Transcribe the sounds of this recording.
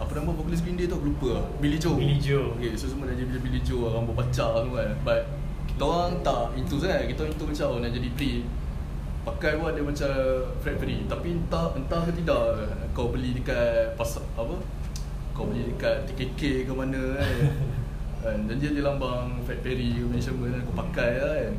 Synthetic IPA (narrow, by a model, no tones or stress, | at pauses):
apənaməpokulis̬ɡindet̪uklupəbilid͡ʒod͡ʒokesos̬umədad͡ʒbilbilid͡ʒoaɣambəpat͡ʃat̪ukanbat̪̚ | ki̥t̪aoɾaŋnt̪aʔint̪us̬aŋakit̪aoãŋint̪umat͡ʃawnaʔd͡ʒadiplin | pakajwaʔ̚diəmat͡ʃafɛtvəɾit̪apiənt̪aənt̪akət̪idaʔ | kawbəlidəkat̚pasaapə | kawbəlidəkat̚t̪ikekekamanə̃a | and͡ʒand͡ʒiadilambaŋfɛt̚peɾimɛ̃nt͡ʃəmənakapakajan